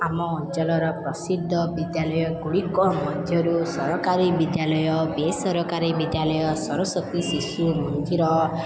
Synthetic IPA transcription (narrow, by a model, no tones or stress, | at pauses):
amɔːnt͡ʃɔlɔɾɔpɾʌsid̪ʱːʌbid̪jalʌjɔɡuɽikɔmʌd̪ʱjʌɾusʌɾɔkaɾibid̪jalɔjɔbesʌɾɔkaɾibid̪jalʌjɔsʌɾɔsɔkisisumɔnd̪iɾɔ